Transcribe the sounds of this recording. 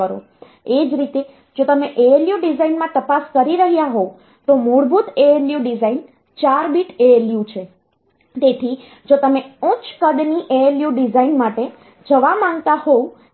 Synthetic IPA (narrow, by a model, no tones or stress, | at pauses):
əɾo̰ | ed͡ʒɾit̪e | d͡ʒot̪əmeʔeeljuɖizainmãt̪əpaskəɾiɾəɦjaɦo | t̪omuɽbʱut̪eeljuɖizain | t͡ʃaɾbiʈeeljut͡ʃʰe | t̪et̪ʰi | d͡ʒot̪əmeũt͡ʃkəd̪niʔeeljuɖizainmaʈe | d͡ʒəʋamãŋɡt̪ahou